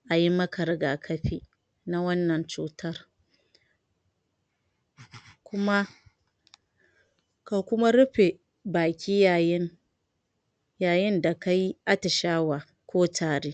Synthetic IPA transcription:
ʔa˨ji˦mɐ˦kʰɐ˨ɾɡaː˨kʰɐ˦ɸiː˦ | na˦wɐ˦nːɐ˨nt͡ʃuː˦˨tɐ˦r | kʷʊ˦ma˦ | ka˨kʷʊ˦ma˦ɾʊ˦ɸe˨ | baː˨kʲʰiː˦ja˨jɪ˦n | jaː˨jɪ˦nda˨ka˦ji˦ʔa˦tɪ˨ʃaː˦waː˨ | kʷoː˦taː˨ɾeː˦

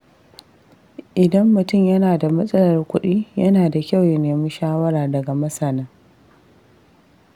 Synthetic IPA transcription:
ʔɪ˨dɐ˦mːʊ˨tʊ˦˨mjɐ˦naː˨da˨mɐ˦sʼɐ˦lɐ˨rkʷʊ˦ɗiː˦jɐ˦naː˨da˨kʲa˦˨wjɐ˦neː˨mi˦nʃaː˦wɐ˦ɾaː˨dɐ˨ɡa˨mɐ˦sɐ˨nɐ˦

